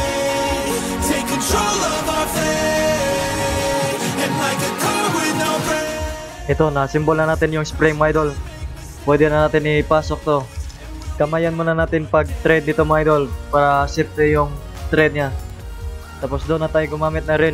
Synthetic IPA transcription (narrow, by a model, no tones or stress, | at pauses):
tʰeɪkːɨ̃nt̪ʰɹolˠʌvafɛ | ɛ̃naɪkɨkʰʌwɪðnaʊbɹɛ | ʔɛt̪o̞nɐsɪmbolnɐnaːt̪ɪnjʊŋspɾɪŋmajd̪ol | pwɛd̪ɛnɐnaːt̪ɪnɪpaːsok̚t̪o̞ | kɐmajɐnmonɐnaːt̪ɪnpɐɡ̚t̪ɾɛd̪̚nɪt̪omajd̪olpaːɾɐsɛpɾɛjʊŋ | t̪ɾɛd̪̚ɲa | t̪aːpo̞sd̪onːɐt̪aːjoɡʊmaːmɪt̪̚nɐɾɪn